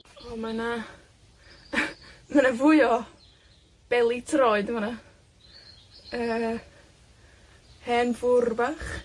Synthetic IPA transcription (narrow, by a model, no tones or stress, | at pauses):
ɔmana | manavʊjɔ | b̥ɛlˠitʰrɔɨdmana | əː | hɛnvʊrbaχ